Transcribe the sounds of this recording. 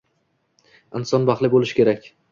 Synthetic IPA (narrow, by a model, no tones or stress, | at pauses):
ɪnsɒnbɑχlˠɪbolɪʃkʲʰe̞ɾakʲ